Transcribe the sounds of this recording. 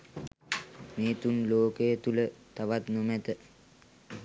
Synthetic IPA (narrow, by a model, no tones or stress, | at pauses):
meːt̪unloːkejət̪ulət̪aʋat̪nomɛt̪ə